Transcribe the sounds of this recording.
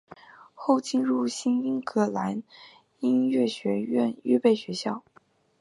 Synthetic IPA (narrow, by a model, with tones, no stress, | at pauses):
xo˥˩ʊt͡ɕi˥˧nɻu˥˩ɕi˥ni˥nkʰɤ˥˩la˧˥n | i˥nɥɛ˥˩ɕɥɛ˧˥ɥɛ̰˥˧ny˥pe˥˩ɪɕɥɛ˧˥ɕjɑ˥˩ʊ